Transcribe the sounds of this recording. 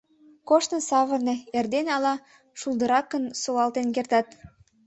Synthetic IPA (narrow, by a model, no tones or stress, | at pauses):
koʃtnəsɑβə̆rneerd̪enɑlɑ | ʃulˠd̪əɾɑkːənsolɑlt̪enk̬ert̪ɑt̪